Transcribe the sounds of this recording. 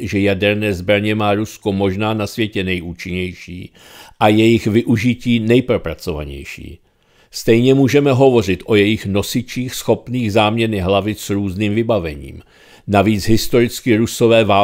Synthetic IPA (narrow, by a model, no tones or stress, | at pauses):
ʒɛjadɛɾnɛːzbɾaɲɛmaːɾusko̞mo̞ʒnaːnasvjɛcɛnɛjʔuːt͡ʃɪɲɛjʃḭː | ʔajɛjɪxvɪʔuʒɪciːnɛjpɾo̞pɾat͡so̞va̰ɲɛ̰jʃḭː | st̪ɛjɲɛmuːʒɛmɛɦo̞vo̞r̝ɪt̪ʔo̞jɛjɪxno̞sɪt͡ʃiːxsxo̞pniːɣzaːmɲɛnɪɦlavɪsɾuːzniːmvɪbavɛɲḭːm | naviːt͡sɦɪst̪o̞ɾɪt͡skɪɾuso̞vɛːvaː